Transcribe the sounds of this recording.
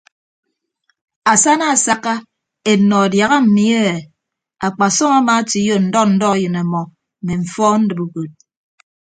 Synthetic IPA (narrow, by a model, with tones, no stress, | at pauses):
a˨sa˦na˦a˨sa˨ka˦ | e˨nɔ˨a˨dja˨ɣa˦m̩˨mi˦e˦e˨ | a˨k͡pa˨sɔ˦ma˦ma˨˦ti˨˦jo˨n̩˦dɔ˦n̩˦dɔ˦a˦jɨ˨na˨mɔ˨ | me˨ɱ̩˨fɔ˦n̩˦dɨ˨bu˨ko˨t̚